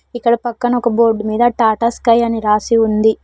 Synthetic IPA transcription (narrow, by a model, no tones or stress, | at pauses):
ikːɐɽɐpɐkːɐnɐɔkɐboːɾɖmiːd̪ɐʈaːʈɐskɐjɐniɾaːsiund̪i